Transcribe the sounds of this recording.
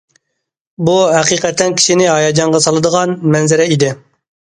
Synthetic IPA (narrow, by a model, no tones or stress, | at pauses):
buɦæqiqɛt̪ʰːɛnkʲʰi̥ʃinɪɦɑjɑd͡ʒɑɴʁɑsɑlˠɨd̪əʁɑnmɛnzɪɾɛid̪ɪ